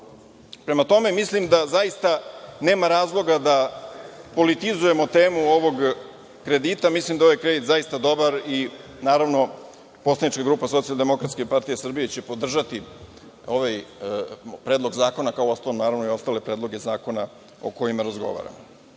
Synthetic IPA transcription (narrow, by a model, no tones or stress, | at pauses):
pɾe̞mat̪o̞me̞mislimd̪azaist̪ane̞ːmaɾaːzlˠo̞ɡad̪a | po̞lit̪izuje̞mo̞t̪e̞ːmuo̞ʋo̞ɡ | kɾe̞d̪it̪amislimd̪aʋajkɾe̞d̪it̪zaist̪ad̪o̞baɾi | naːɾaʋno̞ | po̞slad̪nit͡ʃkaɡɾuːpaso̞t̪sialˠd̪e̞mo̞kɾat̪skepaɾt̪ijesr̩bijet͡ɕe̞po̞d̪r̩ʒat̪i | o̞ʋaj | pɾeːd̪lˠo̞ɡzaːko̞nakaoost̪alomnaːɾaʋnoio̞st̪aːle̞pɾe̞ːd̪lˠo̞ɡezaːko̞na | o̞̰ko̞jimaɾazɡo̞̰ʋa̰ɾa̰mo